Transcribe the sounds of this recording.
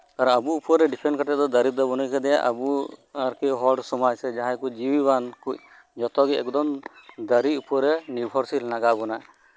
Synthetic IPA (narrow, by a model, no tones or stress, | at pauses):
kaɾɔnabuupɔɾɛɖipʰɾɛnkaʈɛd̪ɔd̪aɾit̪̚d̪ɔbɔnujkʰad̪ɛja̰ʔabuaɾkɛɦɔɖsɔmajsɛd͡ʒaɦãjkud͡ʒiwibankuc̚ | d͡ʒɔt̪ɔɡiɛkd̪ɔmd̪əɾiupɔɾɛniɾbʱɔɾsilnaɡabɔna